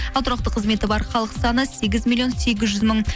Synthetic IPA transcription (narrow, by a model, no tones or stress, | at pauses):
ɑlˠt̪ʰɾɑqt̪əqʰːəzme̞t̪ɪbɑɾχɑlˠəqsɑnəse̞ɡʲɪzmʲilˠio̞nse̞ɡʲɪzʒʏzməɴ